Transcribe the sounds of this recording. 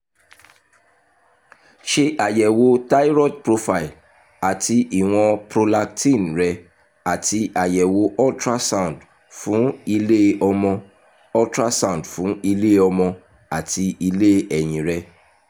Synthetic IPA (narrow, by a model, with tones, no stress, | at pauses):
ʃe˧ʔa˨jɛ˨wo˧ta˦i˦ɾɔ˦˨tpɾo˧fa˧˨i˨l | a˨ti˧ʔi˨w̃ɔ̃˧pɾo˧la˧ktĩ˦˨n˨ɾɛ˧ | a˨ti˧ʔa˨jɛ˨wo˧˦ʔɔ˦tɾa˦sã˦˨d | fũ˨˦i˧le˦ɔ˧mɔ̃˧ | ɔ˦tɾa˦sã˦˨dfũ˨˦i˧le˦ɔ˧mɔ̃˧ | a˨ti˧i˧le˦ɛ˨j̃ĩ˨ɾɛ˧